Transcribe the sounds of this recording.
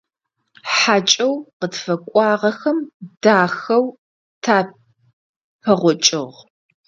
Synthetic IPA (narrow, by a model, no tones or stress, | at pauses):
ħat͡ʃʼɐwqətfɐkʷʼɑːʁɐxɐmdaːxɐw | tʰaː | pʰɐʁʷɔt͡ʃʼɪ̰ʁ